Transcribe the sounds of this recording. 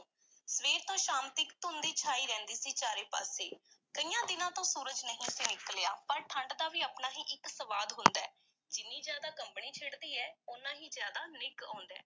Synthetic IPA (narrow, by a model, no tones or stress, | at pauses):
sʋeːɾt̪õːʃaːnt̪iːkt̪ʊnd̪iːt͡ʃʰaːiːɾɛ̃ːnd̪iːsiːt͡ʃaːɾeːpa̰ːseːkəiːjãːd̪ɪnãːt̪õːsuːɾəd͡ʒnəɦĩːseːnɪkəleːa̰ːpəɾʈʰəɳɖd̪aːʋiːaːpnaːɦiːʔɪksəʋaːd̪ɦʊ̃nd̪aɛː | d͡ʒɪnːĩːzjaːd̪aːkəmpniːt͡ʃʰeːɽd̪iːɛːʊnãːɦiːzjaːd̪aːnɪkã̰ːnd̪ɛ̰ː